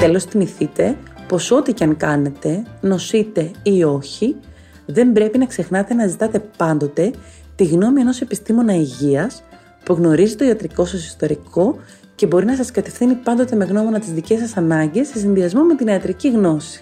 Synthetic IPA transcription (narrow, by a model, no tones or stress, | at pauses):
t̪e̞lo̞st̪imiθit̪e̞po̞so̞t̪icɐŋkɐne̞t̪e̞no̞sit̪e̞io̞çi | ðe̞mbɾe̞pinɐkse̞xnɐt̪e̞nɐzit̪ɐt̪e̞pɐnd̪o̞t̪e̞ | t̪iɣno̞mie̞no̞se̞pist̪imo̞nɐiʝiɐs | puɣno̞ɾizit̪o̞iɐt̪ɾiko̞sɐsi̥st̪o̞ɾikʰo̞ | ce̞bo̞ɾinɐsɐskɐt̪e̞fθinipɐnd̪o̞t̪e̞me̞ɣno̞mo̞nɐt̪izðice̞s̬ɐsɐnɐɲɟe̞sːe̞sinðiɐzmo̞me̞t̪iniɐt̪ɾiciɣno̞si̥